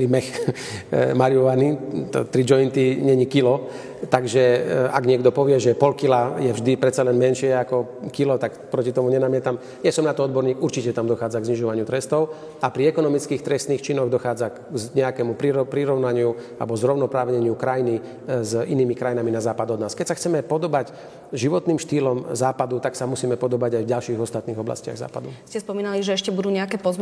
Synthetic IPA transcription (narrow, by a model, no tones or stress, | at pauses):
t̪ɾimɛx | maɾiɔʋanit̪ɔ̰t̪ɾid͡ʒɔint̪iɲɛɲikilɔ | t̪aɡʒɛa̰ɡɲɪɛɡd̪ɔpɔʋɪɛʒɛpɔlkilajɛvʒd̪ipɾɛt̪t͡salɛnmɛnʃɪɛakɔ | kilɔt̪akpɾɔcit̪ɔmuɲɛnamɪɛt̪am | jasɔmnat̪ɔɔd̪̚bɔɾɲiːɡuɾt͡ʃicɛt̪amd̪ɔxaːd͡zaɡzɲiʒɔʋaɲɪut̪ɾɛst̪ɔʊ | apɾiɛkɔnɔmit͡skiːxt̪ɾɛst̪niːxt͡ʃinɔɣd̪ɔxaːd͡zakɲɛakɛmupɾiɾɔpɾiɾɔʊnaɲɪua̰lɛbɔzɾɔʊnɔpɾaːʋɲɛɲɪukɾajini | ziniːmikɾajinaminazaːpad̪ɔd̪naːskɛcsaxt͡sɛmɛpɔd̪ɔbac | ʒiʋɔt̪niːmʃt̪iːlɔmzaːpad̪ut̪aksamusiːmɛpɔd̪ɔbaɟajvɟalʃiːɣɔst̪at̪niːɣɔbla̰scɪa̰ɣza̰ːpad̪uscɛspɔmiːnaliʒɛɛʃcɛbud̪uːɲɛakɛːpɔz